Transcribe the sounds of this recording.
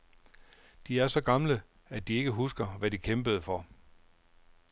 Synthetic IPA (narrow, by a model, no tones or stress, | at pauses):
d̥iæɐsɒ̽ɡ̥ɑ̈mlə | æd̥ie̝ɡ̥əɦusɡ̥ɐʋæd̥ikʰemb̥əð̞̩ˠəfɒ̽